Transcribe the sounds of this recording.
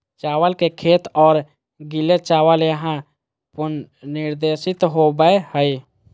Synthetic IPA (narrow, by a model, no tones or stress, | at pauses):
t͡ʃaːwəlkekʰeːt̪ɔːɾ | ɡɪlet͡ʃaːwəljəɦã | pʊnnɪɾd̪eːʃɪt̪ɦobəehəi